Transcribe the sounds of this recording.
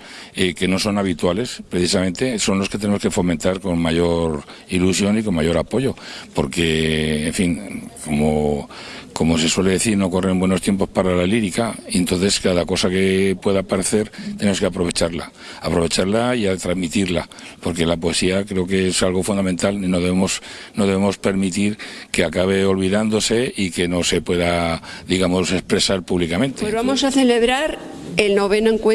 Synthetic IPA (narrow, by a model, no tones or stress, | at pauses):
eke̞no̞so̞naβ̞it̪wale̞spɾeθisamẽ̞nt̪e̞so̞nlo̞ske̞t̪eneoke̞fo̞mẽ̞nt̪aɾko̞nmaʝo̞ɾ | ilusjo̞niko̞maʝo̞ɾapo̞ʝo̞po̞ɾke̞ːɱfiŋko̞mo | ko̞mo̞se̞swe̞le̞ðe̞θiɾno̞ko̞rembwe̞not̪je̞mpo̞spaɾalaliɾikaie̞nt̪o̞nθe̞skaðako̞sake̞pwe̞ðapaɾe̞θe̞ɾt̪enemo̞ske̞apɾo̞β̞e̞t͡ʃaɾla̰ | apɾo̞βe̞t͡ʃaɾlaiat̪ɾazmit̪iɾla | po̞ɾke̞lapoe̞siakɾe̞okeesalɣ̞o̞fund̪amẽnt̪alnino̞ðe̞βemo̞s | no̞ðeβe̞mo̞spe̞ɾmit̪iɾke̞akaβ̞e̞o̞lβiðand̪o̞se̞ike̞no̞se̞pwe̞ða | ðiɣamo̞se̞spɾe̞saɾpuβlikamẽ̞nt̪eβamosaθe̞leβɾaɾ | elnoβenoŋkwe